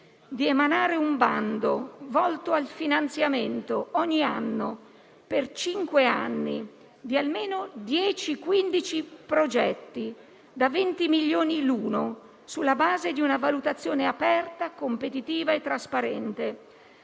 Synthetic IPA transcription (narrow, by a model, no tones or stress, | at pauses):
d̪iemanaːɾeumband̪ovɔlt̪oalfinant̪sjament̪oɔɲːianːo | pert͡ʃiŋkweanːi | d̪ialmeːnod̪jɛːt͡ʃikwind̪it͡ʃipɾod͡ʒɛt̪ːi | d̪avent̪imiʎːoːniluːno | sulːabaːzed̪iunavalut̪at̪sːjoːneapɛrt̪akompet̪it̪iːvaet̪ːɾaspaɾɛnt̪e